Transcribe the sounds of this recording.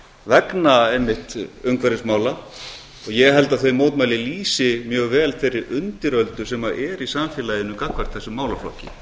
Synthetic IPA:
vɛknaenːɪht̪ʏmkʰvɛɾɪsmaːwla | ɔɣjɛɣɦɛlt̪aθœɥmoːwt̪majlɪliːsɪmjœːɣvɛːlθejrːɪʔʏnt̪ɪɾœlt̪ʏ̥sɛmaʔɛɾisamfjɛːlajɪnʏkakvar̥t̪θɛsʏmaːwlaflɔ̰hcɪ̰

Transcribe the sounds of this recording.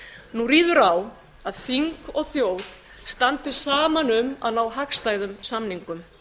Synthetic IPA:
nuriːðʏɾaw | aðθiŋkɔɣθjoːwð | st̪ant̪ɪ̥saːmanʏma̰ðnaːwɦakst̪aːjðʏmsamniŋkʏm

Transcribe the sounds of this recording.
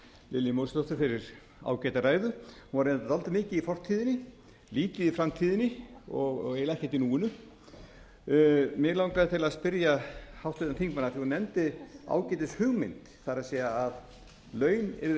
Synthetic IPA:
lɪlːɪmowst̪ɔt̪ʏɾfɪɾɪɾ | a̰ːwcɛjt̪araːjðʏhunvaɾent̪at̪alt̪ɪmɪːcɪifɔr̥t̪ʰiːðɪnɪ | liːt̪ɪðifɾamt̪ʰiːðɪnɪɔɣɣelɛhcɛt̪ɪnuːɪnʏ | mɛɣlawŋkɾaðt̪ʰɪlaðspɪɾjahawht̪ɪt̪anθiŋkmanaθjnɛmnt̪ɪa̰ːwcɛjt̪ɪshʏɣmɪ̰nt̪θaɾaðsɛːjaað | lœːɥnɛ̰ɾ

